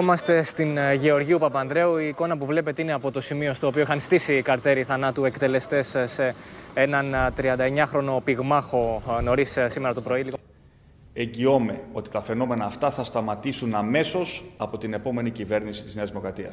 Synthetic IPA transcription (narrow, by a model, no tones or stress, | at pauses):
omɐst̪e̞st̪inʝe̞o̞ɾʝiupɐpɐnd̪ɾe̞uiːko̞nɐpuvle̞pe̞t̪ine̞ɐpo̞t̪o̞simio̞st̪o̞ːpioixɐnst̪isiːkɐɾt̪eɾiθɐnɐt̪ue̞kt̪e̞le̞st̪e̞ssee̞nɐnt̪ɾiɐnd̪ɐe̞ɲɐxɾo̞no̞piɣmɐxo̞no̞ɾissime̞ɾɐt̪opɾo̞iliɣo | e̞ɲɟio̞me̞o̞t̪i̥t̪ɐfe̞no̞me̞nɐːft̪ɐθɐst̪ɐmɐt̪isunɐme̞so̞sɐpo̞t̪ine̞po̞me̞nicive̞ɾnisi̥t̪izneɐzðimo̞kɾɐt̪iɐ̰s